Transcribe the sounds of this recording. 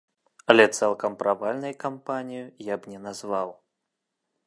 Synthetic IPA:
ɐlʲɛt̪sɛlˠkɐmpɾavalʲnɐjkampanʲijujabnʲɛnazvaw

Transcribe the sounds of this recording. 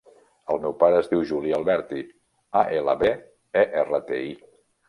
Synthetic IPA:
əlˠmɛwpaɾəːzðiwʒuliəlˠβɛɾt̪i | aʔelə̰βe | eʔerət̪ei

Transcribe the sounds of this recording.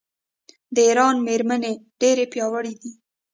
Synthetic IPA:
d̪əiɾɑnmeɾmaneɖ̥eɾepjɑwəɽid̪i

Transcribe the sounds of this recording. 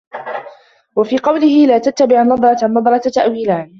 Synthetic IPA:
wafiːqɑwlɪhɪlaːt̪at̪ːabɪʕnɑd̪ˤɾˤɑt̪anɑd̪ˤɾˤɑt̪t̪aʔwiːlaːn

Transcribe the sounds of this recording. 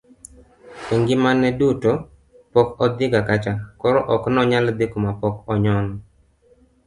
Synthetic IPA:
eŋɡɪmanɛduto | pɔkɔd̪ɪɡakat͡ʃakɔɾɔʔɔknɔɲald̪ɪkomapɔkɔɲɔn

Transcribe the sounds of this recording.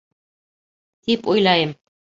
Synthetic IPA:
t̪ipojlˠɑjɤm

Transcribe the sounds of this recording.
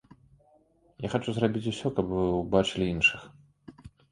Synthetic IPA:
jaxat͡ʂuzrabʲit͡sʲusʲɔkɐpvɨwbat͡ʂɨlʲiinʂɨx

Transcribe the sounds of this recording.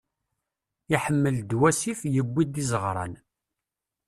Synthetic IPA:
iħəmːəld̪wæsifjəbːid̪izəʁɾˤɑ̰n

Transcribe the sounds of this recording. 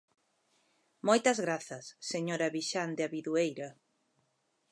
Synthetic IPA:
mojt̪ɐzɣɾaθɐsːeɲoɾɐβiʃand̪eaβiðuejɾɐ

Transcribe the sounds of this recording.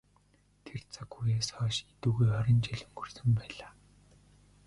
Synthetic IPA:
t̪ʰert͡sʰakxujeːsɔːʃet̪uːɣujɔɾʲɪ̆nt͡ɕiɮɘ̆ŋxɵrsɘ̆mpæːɮaː

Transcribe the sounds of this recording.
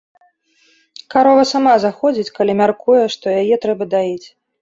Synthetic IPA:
kaɾɔvɐsamazaxɔd͡zʲit͡sʲkalʲimʲarkujɛʂt̪ɔjajɛt̪ɾɛbɐd̪ajit͡sʲ

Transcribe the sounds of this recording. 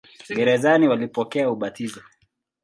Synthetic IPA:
ɡɛɾɛzaniwalipɔkɛauɓatizɔ

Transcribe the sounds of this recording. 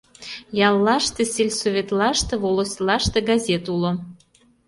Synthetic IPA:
jɑlːɑʃt̪esʲelʲsoβʲet̪lɑʃt̪eβoloslɑʃt̪eɡɑzʲet̪ulo

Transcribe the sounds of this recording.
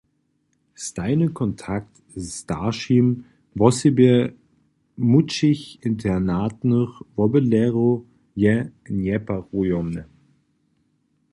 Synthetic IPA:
staɪnəkʰɔntʰakt | staʃim | vɔsibe | mut͡ʃɪçɪntʰɛnaːtnəχvɔbəlɛʁo | jɛnjɛpaʁujɔmə

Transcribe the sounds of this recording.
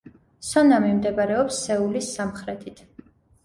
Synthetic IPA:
sɔnamimd̪ɛbaɾɛɔpsːɛulisːamχɾɛt̪ʰit̪ʰ

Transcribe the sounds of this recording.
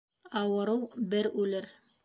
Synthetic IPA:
ɑwɤ̆ɾɤwbɘɾʉlɘɾ

